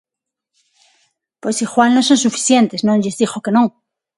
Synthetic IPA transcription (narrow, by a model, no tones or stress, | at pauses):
pwesixwannosõ̞nsufi̥θje̞nt̪e̞snõŋʎezðixo̞ke̞nõŋ